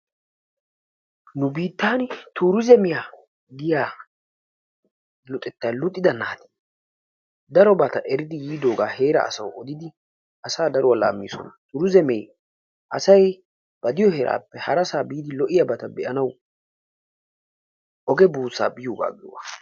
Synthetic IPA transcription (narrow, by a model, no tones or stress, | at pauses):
nʊbiːt̪ːaːnt̪uːɾʊzɛmɪjaː | ɡɪjaː | lʊt̪ʼɛt̪ːalʊt̪ʼːɪd̪ɐnaːt̪ɛ̥ | d̪ɐɾɔbɐt̪ɐʔɛɾɪd̪ɪjiːd̪oːɡa̰ːhe̞ːɾɐ̰ːsɐwɔd̪ɪd̪ɪ | ʔɐsaːd̪ɐɾɔwɐla̰ːmːḭːsɔ̰nɐt̪uːɾʊzɛmɛj | ʔɐsɐj | b̥ɐd̪ɪjɔɦɛɾʔa̰ːpːɛhɐɾɐsaːbiːd̪ɪlɔʔɪjɐbɐt̪ɐbɛʔɐnɐw | ʔɔɡɛbuːsa̰ːbɪjoːɡa̰ːɡɪɔ̰wɐ